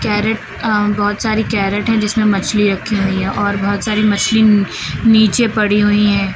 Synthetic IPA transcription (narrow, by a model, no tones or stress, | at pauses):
kɛːɾəʈ | bɔːt̪saːɾikɛːɾəʈɦɛ̃d͡ʒɪsmẽmɐt͡ʃʰliɾɐkʰːiɦʊiɦɛ̃ʔɔːɾbɔɦːʊt̪saːɾimɐsliniːt͡ʃepɐɽiɦʊiɦɛ̃ː